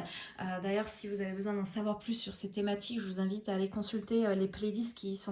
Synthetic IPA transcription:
ød̪ajœʁsivuzavebəzwɛ̃d̪ɑ̃savwaʁplysːyʁset̪ːemat̪ʰikʒəvuzɛ̃vit̪aːlekɔ̃sylt̪eøleplelist̪kʲisɔ̃

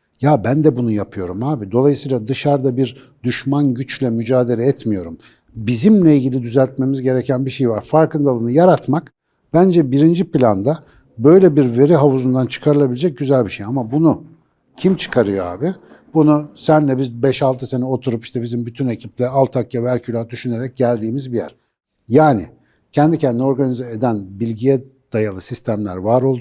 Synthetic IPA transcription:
jabænd̪ɛbunujapʰɯjo̞ɾumhaːbid̪o̞lˠajɯsɯjːlˠad̪ɯʃaɾd̪abiɾ | d̪yʃmanɟyt͡ʃlʲɛmyd͡ʒaːd̪e̞lʲɛɛt̪mijo̞ɾum | bizimlʲɛilʲɟilʲid̪yzælʲt̪̚me̞mizɟe̞ɾecʰænbiʃe̞jvaɾfaɾkɯnd̪alˠɯnɯjaɾat̪mak | b̥ænd͡ʒɛbiɾind͡ʒipilʲand̪a | bø̞jlʲɛbiɾve̞ɾiɦauzund̪ant͡ʃʰɯ̥kʰaɾɯlˠabilʲed͡ʒɛc̚ɟyzælʲbiʃejamabunu | cʰimt͡ʃʰɯ̥kʰaɾɯjoa̰ːbɪ | bunusænlʲɛbizbɛʃalˠt̪ʰɯse̞nɛo̞t̪ʰuɾupiʃt̪ʰɛbizimbyt̪ʰyne̞cʰip̚lʲɛalˠt̪ʰakjavæɾcʰylʲad̪yʃyne̞ɾɛc̚ɟælʲd̪iːmizbijæ̰ɾ̥ | jaːnɪ̰ | cʰɛnd̪icʰɛnd̪ino̞ɾɡanizaed̪ænbilʲɟijɛd̪̥ajalˠɯsist̪ʰæmlʲæ̰ɾvaɾo̞lˠd̪

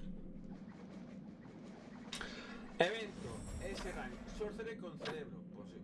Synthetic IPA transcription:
eβent̪oeseɣaŋsoɾθeɾekonθeleβɾopos

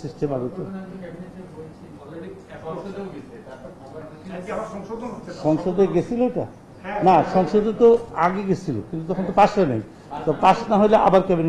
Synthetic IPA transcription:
sisʈʰebaɡot̪o | ʃɔŋʃod̪eɡet͡ɕʰiloʈa̰ | naʃɔŋʃod̪et̪oaɡeɡet͡ɕʰilo̰kint̪ut̪ɔkʰont̪opaʃanḛj | t̪ɔpaʃnaɦojleʔa̰baɾkɛben

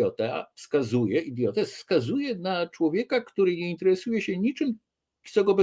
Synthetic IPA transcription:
ɔt̪ɛfskazujɛʔid̪jɔt̪ɛfskazujɛnat͡ʂwɔvʲjɛkakt̪uɾɘɲɛint̪ɛɾɛsujɛɕɛɲit͡ʂɘm | t̪sɔɡɔbɛ

